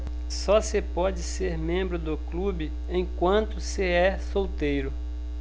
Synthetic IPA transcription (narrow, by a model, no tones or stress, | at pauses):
sɔsepɔd͡ʒɪseɾmẽmbɾʊd̪ʊklubɪ | ẽj̃kwɐ̃nt̪ʊseɛsowt̪ejɾʊ